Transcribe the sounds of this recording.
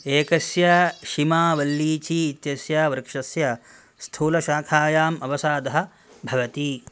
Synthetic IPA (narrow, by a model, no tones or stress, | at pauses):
eːkɐsjɐʃimaːʋɐlːiːt͡ʃiːt̪jɐsjaːʋɾkʂɐsjɐ | st̪ʰuːlɐʃaːkʰaːjaːmɐʋɐsaːd̪ɐɦɐ̆ | bʱɐʋɐt̪i